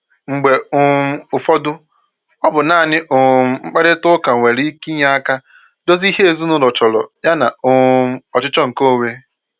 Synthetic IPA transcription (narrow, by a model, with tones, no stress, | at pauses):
ŋ͡m̩˨ɡ͡be˨ʊ˨˦ʊ˨fɔ˦dʊ˦ | ɔ˦bʊ˨na˨nɪ˦ʔʊ˨m̩˦ŋ͡m̩˦k͡pe˦ɾɪ˦tʊ˦ka˨ŋʷe˨ɾi˦ki˦ɲa˦a˦ka˦ | do˦zi˦ɦe˦e˨zu˦nʊ˦lɔ˨t͡ʃɔ˨lɔ̰˨ja˦na˨ʊ˨˦ɔ˨t͡ʃɪ˦t͡ʃɔ˦ŋ̩˨ko˦˨we˦